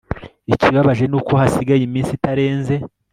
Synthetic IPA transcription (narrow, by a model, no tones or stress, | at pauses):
iciβaβaʒe̞nuːko̞hasiɡajimiːnsitaɾe̞ːnze̞